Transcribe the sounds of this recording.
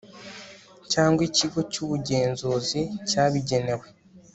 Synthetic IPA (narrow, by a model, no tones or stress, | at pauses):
caːŋɡwiciɡo̞cuːβuɟe̞ːnzuːzicaːβiɟe̞ne̞we